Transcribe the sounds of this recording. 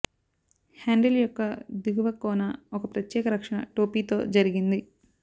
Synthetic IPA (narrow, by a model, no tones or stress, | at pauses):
haːɳɖɐljɔkːɐd̪uɡuʋɐkːɔːnɐɔkɐpɾɐt̪jɛːkɐɾɐkʂɐɳɐ̰ʈoːpiːt̪oːd͡ʒɐɾiɡind̪i